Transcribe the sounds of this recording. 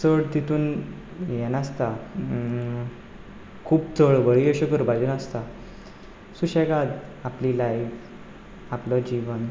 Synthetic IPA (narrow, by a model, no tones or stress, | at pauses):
səɭt̪it̪uːn | jɛnast̪a | kʰuːb̚t͡sʰəɭʋəɭiəɕəkəɾbalunast̪a | suɕɛkad̪apliːlajf | aplɔd͡ʑiʋən